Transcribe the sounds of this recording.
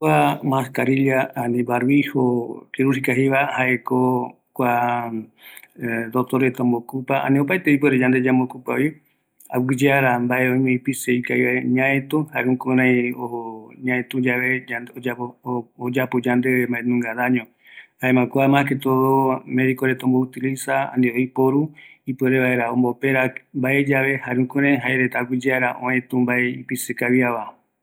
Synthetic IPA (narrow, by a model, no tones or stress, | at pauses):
amãskaɾilaanĩbaɾβihokiɾuhikaɦiβahaʔeko | kʷa | d̪ot̪oɾet̪õmbokupaa̰nĩop̬aet̪eip̬weɾed͡ʒand̪e̞d͡ʒambokupai | a̰wɨd͡ʒeaɾambaeõj̃mẽipiseikaiaeɲãet̪ũhaekũkoɾãĩoɲãẽt̪ũd͡ʒaβe̞aoaod͡ʒapod͡ʒand̪emaenũŋɡaðaɲõ | haemãkoamãket̪uomeɾikoɾet̪õmbout̪ilisaã̰nd̪eoipoɾuipeɾeβaeɾaõmbopeɾambae̞d͡ʒaβe̞haɾeũkõɾãjɦaeɾet̪aɡʷid͡ʒeaɾaʔõẽt̪ũmbaeipisekaβiaβa